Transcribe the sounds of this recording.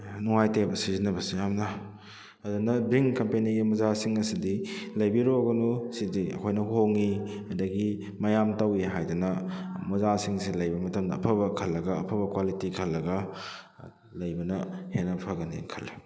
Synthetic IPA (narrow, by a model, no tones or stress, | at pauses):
nuŋajtepɐsizinːɐbɐsijamnɐ | ɐdunɐbiŋkɐmpeniɡimɐzasiŋɐsidilɐjbiɾoɡɐnusidiɐ̰kʰojnɐɦoŋi | ɐdɐɡi | mɐjamtɐwiɦajdunɐmɐzasiŋsilɐjbɐmɐtɐmdɐːpʰɐbɐkʰɐlːɐɡɐːpʰɐbɐkwalitikʰɐlːɐɡɐ | lɐjbɐnɐhenːɐpʰɐɡɐnḭkʰɐlːi